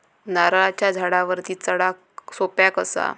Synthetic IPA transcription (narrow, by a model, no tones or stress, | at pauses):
naɾaɭat͡ɕjad͡zʱaɽaʋəɾt̪iːt͡səɽak | sopjakəsa̰